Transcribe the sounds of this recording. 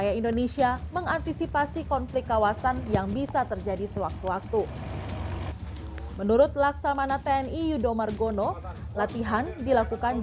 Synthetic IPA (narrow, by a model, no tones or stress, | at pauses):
ajaindonesiaməŋant̪isipasikɔnflɪk̚kːawasanjaŋbisat̪ərd͡ʒadisəwak̚t̪uwak̚t̪u | mənuɾʊt̪̚laksamanat̪eɛnijudomarɡonolat̪iɦandilakukan